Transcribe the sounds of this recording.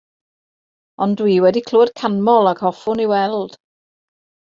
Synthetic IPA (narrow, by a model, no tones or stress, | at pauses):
ɔndwiːwɛdikʰlˠoːd̥kʰanmɔlˠaɡhɔfʊniwɛlˠd̥